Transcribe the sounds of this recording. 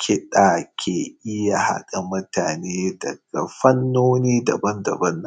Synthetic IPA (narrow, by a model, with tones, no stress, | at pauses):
kʲʰɪ˦ɗaː˨kʲʰeː˨ʔɪ˦ja˨ha̰˦kʼɐ˨mʊ˦taː˨neː˦dɐ̰˨ɡ̥a̰˨ɸɐ˦nːoː˦niː˦dɐ˨bɐ˦ndɐ̰˨bɐ˦nːɐ˨